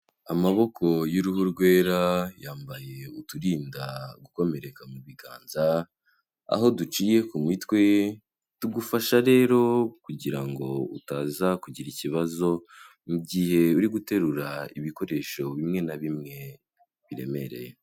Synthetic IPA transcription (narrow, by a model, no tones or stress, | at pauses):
amaβo̞kʰo̞juɾuhuɾɡwe̞ːɾajaːmbaje̞utuɾiːndaɡuko̞me̞ɾe̞kamuβiɡaːnza | a̰ɦo̞dut͡ʃiːje̞kumwiːtkwe̞ | tuɡufaʃaɾe̞ːɾo̞kuɟiɾaŋɡo̞ṵtaːzakuɟiɾiciβazo̞ | mubɟiːhe̞uɾiɡute̞ɾuɾaiβiko̞ɾe̞ʃo̞βimŋe̞naβimŋe̞ | βiɾe̞̰me̞ɾe̞̰je